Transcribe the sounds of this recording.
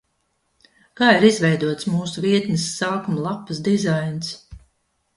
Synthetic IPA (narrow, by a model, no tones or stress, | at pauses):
kaːiɾizvɛjd̪uɔt̪smuːsuviɛt̪nʲisːaːkumlˠapːɨsd̪izajns